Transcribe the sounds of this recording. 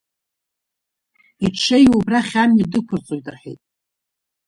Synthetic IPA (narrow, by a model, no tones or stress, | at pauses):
iʈ͡ʂʰejubraχʲamidɨkʷʰʊrt͡sʼoɥtʼɨrħḭjtʼ